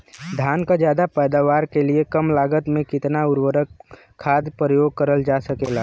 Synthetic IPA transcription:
d̪ʱjaːnkad͡ʒjaːd̪apɛːd̪aːʋaːɾkeliekəmlaːɡət̪mẽkɪt̪naʊɾwəɾəkʰː | aːd̪pɾəjoːɡ̚kəɾəld͡ʒaːsəkeːlaː

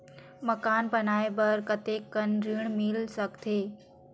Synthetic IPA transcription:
məkaːnbɐnaːebɐɾkət̪eːkːənɾiːɽ̃milsəkt̪ʰeː

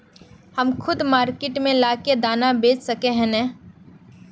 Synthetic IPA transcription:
hɐmkʰʊd̪maːɾkeʈmẽlaːked̪aːnabeːt͡ʃsɐkeɦɛ̃nɛː

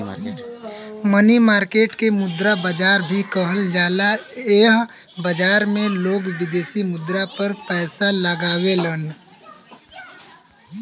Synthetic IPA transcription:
mənimaːɾkeːʈkemʊd̪ɾabəd͡ʒaːɾbʱikəɦəld͡ʒaːlaeːɦ | bəd͡ʒaːɾmẽloːɡʋɪd̪eːsimʊd̪ɾapɐɾpɛːsaləɡaːwelən

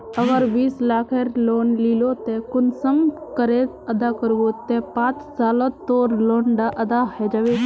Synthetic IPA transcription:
əɡəɾbiːslaːkʰeɾloːnliːlot̪ẽkʊnsəmkəɾeːt̪ | əd̪akəɾbot̪epãːt͡ʃsaːlot̪oːɾloːnɖaʔɐd̪aɦɛd͡ʒaːʋe

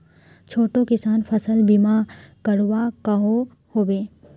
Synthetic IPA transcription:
t͡ʃʰoːʈokɪsaːnfʰɐsəlbimakɐɽʋakɐɦo | hoːʋeː

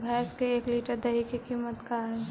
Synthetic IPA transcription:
bʱɛːskeeːkliːʈəɾd̪ɐɦikikiːmət̪kaɦɛː

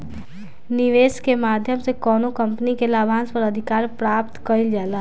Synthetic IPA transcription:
niʋeːskemaːd̪ʱjəmsekɔːnokə̃mpnikelaːbʱãːnspəɾəd̪ʱɪkaːɾpɾaːp̚t̪kəild͡ʒaːla

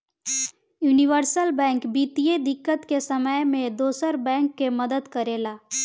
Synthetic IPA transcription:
juːniʋəɾsəlbɛ̃ːŋkbiːt̪ijed̪ɪkːət̪kesəməjmẽd̪oːsəɾbɛ̃ːŋkːeməd̪əd̪kəɾeːlaː

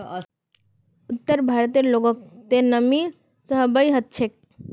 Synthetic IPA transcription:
ut̪ːəɾbʱaɾət̪iloɡok̚t̪enəmi | səɦbəjɦət̪̚t͡ʃʰek̚

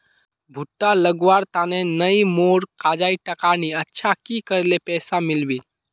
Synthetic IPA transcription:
bʱʊʈːaləɡʋaɾt̪aːnenəimoːɾkaːd͡ʒaːiʈəkaniətːʃʰakikəɾlepɛːsamɪlbi

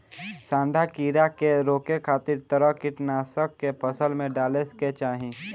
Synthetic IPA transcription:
sãːɳɖʱakiːɾakeɾoːkekʰaːt̪ɪɾt̪əɾəkɪʈnaːsəkːepʰəsəlmẽɖaːlesket͡ʃaːɦĩ

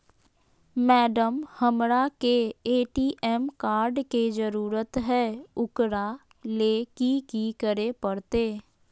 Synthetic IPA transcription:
mɛːɖəmhəmɾakeeːʈiːʔɛːmkaːɾɖked͡ʒəɾuːɾət̪ɦɛːʊkɾa | leːkikikəɾepəɽt̪eː

